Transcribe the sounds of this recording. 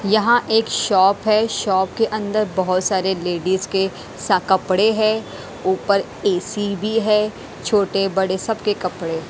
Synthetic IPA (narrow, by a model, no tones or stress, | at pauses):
jɐɦãʔeːkʃɔːpɦɛʃɔːp̚keʔɐ̃nd̪əɾbɐɦʊt̪saːɾeleːɖizke | sakɐpɽeɦɛ̃ | uːpəɾ | eːsibʱiɦɛː | t͡ʃʰoːʈebɐɽesɐbkekɐpɽe